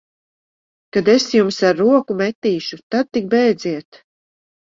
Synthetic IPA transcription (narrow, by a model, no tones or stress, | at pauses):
kad̪esjumsaɾːuɔkumɛt̪ːiːʃut̪ad̪̚t̪ik̚bɛjd̪ziɛt̪